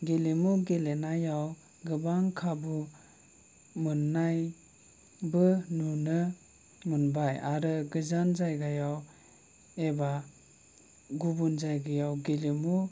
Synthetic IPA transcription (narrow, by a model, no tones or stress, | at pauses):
ɡelimuɡelenajaw | ɡɯbaŋkʰabu | mɯnːaj | bɯnunɯ | munbajaɾɯɡɯzanzajɡajaw | eba | ɡubunzajɡajawɡelimu